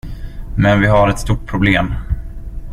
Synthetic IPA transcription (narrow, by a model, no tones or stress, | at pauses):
mɛnvɪɦaɾɛt̪st̪uːʈ̚pʰɾʊbleːm